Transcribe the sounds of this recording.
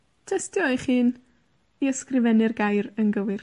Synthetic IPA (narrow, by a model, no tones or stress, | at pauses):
tʰəstjɔɨχiːn | iəskrɪvɛnɪrɡajɾənɡəwɨr